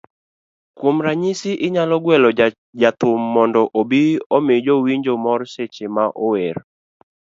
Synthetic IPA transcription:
kwomɾaɲisɪʔɪɲalɔɡwɛlɔ | d͡ʒat̪ʊmːɔndɔʔobiɔmɪd͡ʒowiɲd͡ʒomɔɾset͡ʃemaʔɔweɾ

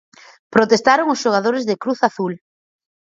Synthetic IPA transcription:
pɾot̪est̪aɾoŋʊsʃoɣaðoɾɪzðɪkɾuθaθul

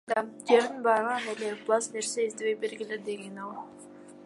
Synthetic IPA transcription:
d̪ɑd͡ʒe̞ɾd̪inbɑɾʁɑneleblˠɑsneɾseizd̪eβek̚beɾɡeled̪e̞ɡenɑlˠ

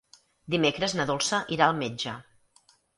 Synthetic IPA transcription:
d̪imekɾəznəðolˠsəʔiɾaəlˠmed͡ʒə

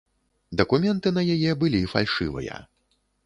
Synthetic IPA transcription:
d̪ɐkumʲɛnt̪ɨn̪ɐjajɛbɨlʲifa̰lʲʂɨ̰vɐ̰jɐ̰

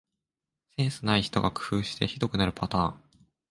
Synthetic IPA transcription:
se̞ːsɨnaiçi̥t̪o̞̰ɡakɯ̟̥hɯ̟ːɕi̥t̪e̞çid̪o̞kɯ̟naɾɯ̟pat̪aːŋ

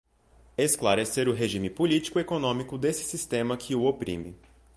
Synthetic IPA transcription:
esklaɾɛseɾʊɦeʒĩmɪpolit͡ʃi̥kʊekonõmikʊd̪esɪ̥sist̪ẽmɐkʰɪʊopɾḭ̃mɪ̰

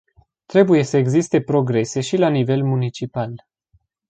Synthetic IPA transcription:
t̪ɾe̞buje̞səeɡzist̪e̞pɾo̞ɡɾe̞se̞ʃilanive̞lmunit͡ʃipal

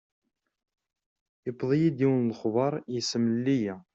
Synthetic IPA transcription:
əbðˤijid̪iwənlχvˤɑɾˤjəsəmlːijæ

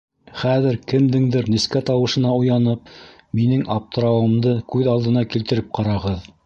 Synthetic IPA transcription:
χæðɘɾkɘ̆md̪ɘŋd̪ɘɾniskæt̪ɑwɤ̆ʃɤ̆nɑujɑnɤp | minɘŋʔɑp̚t̪ŏɾɑwɤ̆md̪ɤkʉðɑlˠd̪ɤ̆nɑkilt̪ɘ̆ɾɘp̚qɑɾɑʁɤð

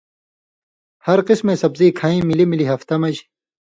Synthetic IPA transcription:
hɐɾqismẽsɐbziːkʰaːĩːmilimiliɦɐft̪ɐmɐd͡ʑ

